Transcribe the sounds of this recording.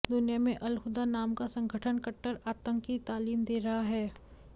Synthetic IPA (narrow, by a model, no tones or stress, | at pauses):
d̪ʊnijamẽʔɐlxʊd̪anaːmkasɐ̃ŋɡʱəʈʰənkɐʈːəɾaːt̪ə̃ŋkːit̪aːliːmd̪eːɾɐɦaɦɛː